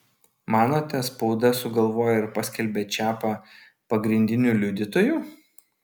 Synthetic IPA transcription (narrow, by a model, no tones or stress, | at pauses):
mɑːnoːt̪ʲɛspɔʊd̪ɐsʊɡɐlˠʋoːjɛɪɾpɐsʲkʲɛlʲbʲeːt͡ʃʲæːpɑ | pɐɡɾʲɪnʲd̪ʲɪnʲuːlʲʊd̪ʲɪt̪oːjuː